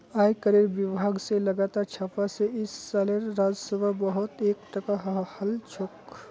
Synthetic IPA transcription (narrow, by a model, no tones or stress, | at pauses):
aːjkəɾeɾbibʱaɡseləɡaːt̪aːɾt͡ʃʰapaseɪsːaleɾːad͡ʒsəbʱabəɦʊt̪eːkʈəkaɦhəlt͡ʃʰok